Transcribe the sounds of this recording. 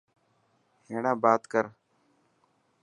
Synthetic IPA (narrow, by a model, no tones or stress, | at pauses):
heːɳãːbaːt̪kəɾ